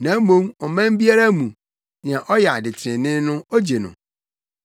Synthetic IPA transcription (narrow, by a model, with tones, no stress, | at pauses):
nã˨˦mõ˦mɔ˨mã˦m˦bi˦a˦ɾa˦mũ˨ | n˨ã˨ʔɔ˦ja˨dɪ˨t͡ɕʰɪ˨ɾɪ̃˨nɪ̃˦nʊ̃˦o˦d͡ʑe˨nʊ̰̃˨